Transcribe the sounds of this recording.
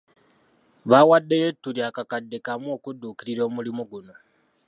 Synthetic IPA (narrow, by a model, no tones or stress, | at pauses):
βawadejetuɾjakakadekamwoːkuduːkiɾiɾo̞ːmulimoɡuno